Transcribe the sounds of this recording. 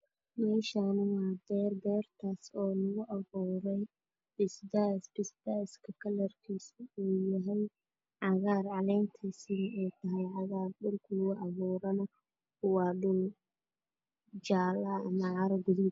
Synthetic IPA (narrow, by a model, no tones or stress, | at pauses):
mɛːʃanwɑːd̪ɛːrd̪ɛːrt̪ʰaːsɔːnɐɣʊʔɐβuːɾɛj | b̥ɪsd̪asbɪsd̪aːɪskʰɐkʰɐlɐrkʰiːsiuːjɐɦɛj | ʕɑɣaːrʕɑlɛːnt̪ʰisinuːt̪ʰɐɦɛjʕɑɣaːrɖʊlkʰʊɣʊʔɑβuːɾɐnɐ | kʊwɑːɖʊl | d͡ʒaːlɐːmɐʕɑɾɐɡʊðid